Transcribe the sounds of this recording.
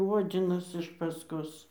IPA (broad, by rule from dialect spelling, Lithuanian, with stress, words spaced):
ˈoːd͡zʲɪnɐs ɪʃ pɐsˈkoːs